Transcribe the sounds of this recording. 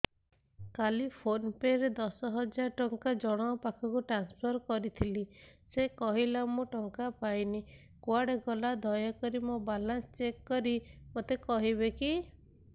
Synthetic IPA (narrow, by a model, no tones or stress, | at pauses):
kalipʰonpeɾed̪ɔsɔɦɔd͡ʒaɾʈɔŋkad͡ʒɔɽ̃ɔɔpakʰɔkuʈɾanspʰɔɾkɔɾit̪ʰili | sekɔɦilamũʈɔŋkapajni | kwaɽeɡɔlad̪ʱɔjɔkɔɾimobalanst͡ʃekːɔɾimot̪ekɔɦiβeki